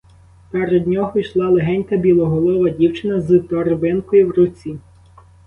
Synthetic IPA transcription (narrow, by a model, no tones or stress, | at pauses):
pɛɾed̪ʲnʲɔɦɔijʃlˠɑlˠeɦɛnʲkɐbʲilˠɔɦɔlˠɔʋɐdʲiwt͡ʃɪnɐzɨt̪ɔɾbɪnkɔjiwɾʊt͡sʲi